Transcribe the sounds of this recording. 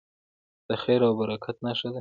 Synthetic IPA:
d̪̥əxeɾawbaɾakʰat̪naʃad̪e

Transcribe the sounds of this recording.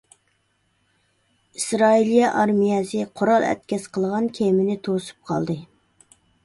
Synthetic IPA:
isɾɑilijɑʔɑɾmijɛsɨqʰoɾɑlˠɛ̰t̪̚kʲʰɛsqʰəlˠʁɑnkʲʰemɪnɪt̪ʰosu̥p̚qʰɑ̰lˠd̪ɨ

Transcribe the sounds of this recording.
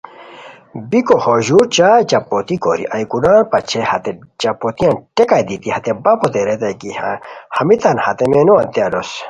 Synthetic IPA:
bikohoʑuɾt͡ɕaːt͡ɕɐpːot̪iko̰ɾḭʔɐjkunaːnpɐt͡ɕʰehɐt̪et͡ɕɐpot̪iãnʈekad̪it̪ihɐt̪ebɐpʰot̪eɾet̪ɐjkihahɐmit̪ɐnhɐt̪emenoɐnt̪jaːlos

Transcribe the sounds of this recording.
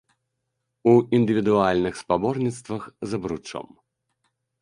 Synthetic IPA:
uind̪ɨvʲid̪ualʲnɨxspabɔrnʲit̪st̪vɐxzɐbɾut͡ʂɔ̰m

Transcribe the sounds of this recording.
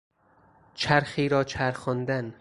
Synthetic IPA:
t͡ʃʰæɾxiːɾɒːt͡ʃʰæɾxɒnd̪æn

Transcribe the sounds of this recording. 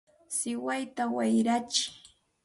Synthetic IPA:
sɪwajt̪awajɾat͡ʃɪ̥

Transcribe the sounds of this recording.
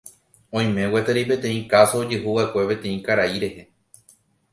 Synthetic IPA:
õ̞j̃mẽ̞wet̪eɾipẽ̞t̪ẽ̞ĩkasoːd͡ʒɨɦuʋae̞kʷe̞pẽ̞t̪ẽ̞ĩkaɾaiɾe̞he̞

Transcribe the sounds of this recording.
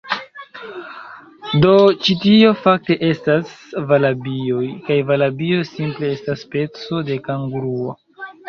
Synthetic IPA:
do̞t͡ʃitio̞fak̚te̞ʔe̞stasvalabio̞jkajvalabio̞simple̞e̞staspe̞t͡so̞de̞kaŋɡɾuo̰

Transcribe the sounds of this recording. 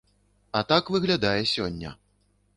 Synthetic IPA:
ɐt̪akvɨɣlʲad̪ajɛsʲɔnʲːɐ̰

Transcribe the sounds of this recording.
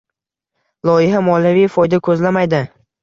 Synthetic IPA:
lˠɒjɪɦamɒlavijfɒjd̪akʰɵzlamajd̪ɪ

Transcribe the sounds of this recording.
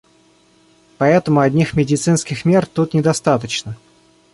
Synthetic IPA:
pɐɛt̪əmʊɐdʲnʲixmʲɪdʲɪt̪sɨnskʲɪxmʲe̞rt̪ut̪nʲɪd̪ɐst̪at̪ət͡ɕnə

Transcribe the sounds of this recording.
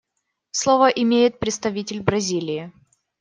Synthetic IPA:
slˠovəʔɪmʲejɪt̪̚pɾʲɪt̪st̪ɐvʲitʲɪlʲbɾɐzʲilʲɪɪ

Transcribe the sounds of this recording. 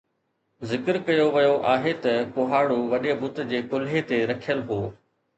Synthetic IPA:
zɪkəɾkɐjoʋɐjoʔaːɦet̪ɐpoɦaːɽuʋɐɗibʊt̪̆d͡ʑeːkʊlɦet̪eɾɐkʰijəlɦoː

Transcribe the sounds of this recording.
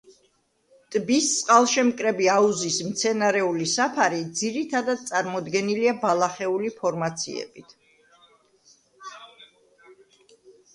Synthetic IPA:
t̪ʼbist̪sʼqʼalˠʃɛmkʼɾɛbiauzismt̪sʰɛnaɾɛulisapʰaɾid̪ziɾit̪ʰad̪ad̪̚t̪sʼaɾmɔd̪ɡɛniliabalˠaχɛulipʰɔɾmat̪sʰḭɛ̰bit̪ʰ

